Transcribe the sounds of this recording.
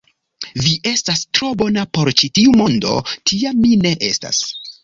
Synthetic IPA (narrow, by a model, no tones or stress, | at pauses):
viʔe̞stastɾo̞bo̞napo̞ɾt͡ʃitiumo̞ndo̞̰tʰiamːine̞ʔe̞sta̰s